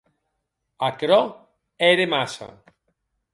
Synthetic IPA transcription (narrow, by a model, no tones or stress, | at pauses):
akɾɔ | eɾemasa̰